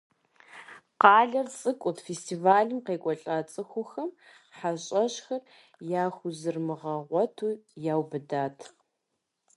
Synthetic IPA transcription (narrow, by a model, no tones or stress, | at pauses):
qɑːɮɐrt͡sʼɨkʷʼʊtfestʰivaːɮɨmqeːkʷʼɔɬʼaːt͡sʼɨxʷʊxɐm | ħaɕʼɐɕxɐr | jaːxʷʊzɨrmɨʁɐʁʷɔtʰuːjaːwbɨdaːtʰ